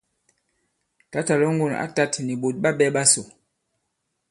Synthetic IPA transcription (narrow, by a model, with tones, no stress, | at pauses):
ta˨˦ta˨lɔ˦ŋ˦ɡu˦˨na̰˦ta˦tni˨ɓo˨t̚ɓa˦ɓɛ˦ɓa˦so˨